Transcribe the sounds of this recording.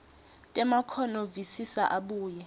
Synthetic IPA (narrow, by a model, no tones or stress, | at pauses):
tʼɛmakʰɔnɔvisisa̰ʔaɓuːjɛ